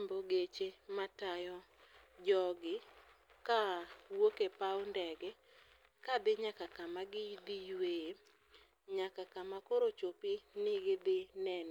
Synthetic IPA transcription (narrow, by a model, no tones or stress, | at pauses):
mboɡet͡ʃematajɔ | d͡ʒɔɡɪ | kawokepaondɛɡɛ | kad̪ɪɲakakamaɡɪid̪ijwee | ɲakakamakoɾot͡ʃopinɪɡɪd̪ɪnɛn